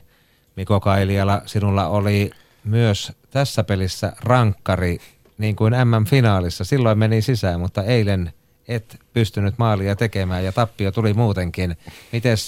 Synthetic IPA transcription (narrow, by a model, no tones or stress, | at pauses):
mikokɑiliɑlɑsinulːɑ̰oli | myøst̪æsːæpelisːæ̰rɑŋkːɑri | niːŋkuinæmːæɱfinɑːlisːɑsilːoˑimmenisisæːmut̪ːɑeilen | et̪pyst̪ynyt̪mɑːliɑt̪ekemæːjɑt̪ɑpːiot̪ulimuːt̪eŋkinmit̪es